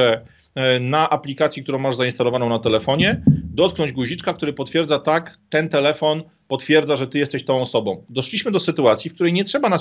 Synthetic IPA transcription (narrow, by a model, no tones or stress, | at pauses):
ɛ | naʔaplʲikat̪sʲikt̪uɾɔ̃w̃maʐzainst̪alɔvanɔ̃nat̪ɛlɛfɔɲɛd̪ɔt̪̚knɔɲd͡ʑɡuʑit͡ʂkak̚t̪uɾɘpɔt̪fʲjɛɾd̪zat̪akt̪ɛnt̪ɛlɛfɔn | pɔt̪fʲjɛɾdzaʐɛt̪ɘjɛst̪ɛɕt̪ɔ̃w̃ɔsɔbɔ̃w̃d̪ɔʂlʲiɕmɘd̪ɔsɘt̪uat̪sʲifkt̪uɾɛjɲɛtʂɛbanas